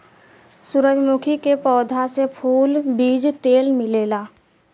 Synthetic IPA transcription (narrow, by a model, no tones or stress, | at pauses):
sʊɾəd͡ʒmʊkʰikepɔːd̪ʱasepʰuːlbiːd͡ʒt̪eːlmɪleːlaː